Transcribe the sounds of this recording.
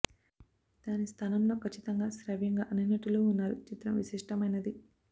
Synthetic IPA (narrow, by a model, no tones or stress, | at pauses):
d̪̥aːnist̪ʰaːnɐmlo̞ːkʰɐt͡ʃːit̪ɐŋɡaːsɾɐʋjɐŋɡaːʔɐninɐʈːuloːunːaːɾut͡ʃit̪ɾɐmʋisiʂʈɐmɐjnɐd̪i